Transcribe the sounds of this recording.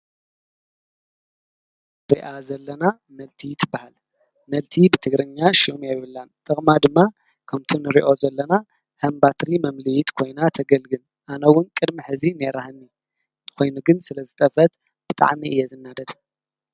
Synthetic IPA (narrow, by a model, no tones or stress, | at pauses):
beʔazɐlːɐna | mɐlt̪ʰit̪ʰɨbahal | mɐlt̪ʰibɨt̪ʰɨɡɾɨɲːaʃumjajβɨlːant̪ʰɐkʼmad̪ɨmːa | kʰɐmt̪ʰunɨɾiʔo̞zɐlːɐna | hɐmbat̪ɾimɐmlɨjit̪kʰo̞jnat̪ʰɐɡɐlɡɨn | ʔanɐwːʊnkʼɨd̪miħɨzineɾahɨnːi | kʰo̞jnuɡɨnsɨlɐzɨt̪ʼɐfɐt̪ | b̥ɨt̪ʼa̰ʕmiɨjːɛzɨnːad̪ɐd̪